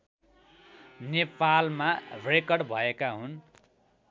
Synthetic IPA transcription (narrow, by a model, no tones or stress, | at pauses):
nepalmarekʌrɖbʱʌekaɦun